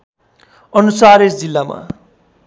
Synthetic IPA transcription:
ʌnusaɾesd͡zilːama̰

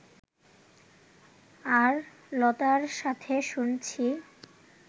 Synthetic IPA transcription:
aɾ | lɔt̪aɾʃat̪ʰeʃunt͡ɕʰi

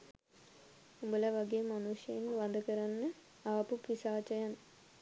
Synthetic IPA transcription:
ubələʋaɡeːmanuʂjəjeŋʋad̪əkəɾanːə | aːpupisaːt͡ʃəjan

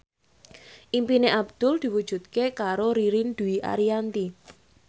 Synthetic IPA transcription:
ʔimpineʔab̚d̪̥ʊld̪̥i̤wud̥ʒ̥ṳt̪kekaɾoɾiɾind̪̥ṳiʔa̰ɾiant̪i

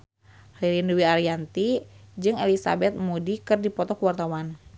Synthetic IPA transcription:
hliɾinduwiaɾiant̪id͡ʒɨŋelisa̰bɛt̪̚mudikɨrdipɔt̪ɔkuwart̪awan

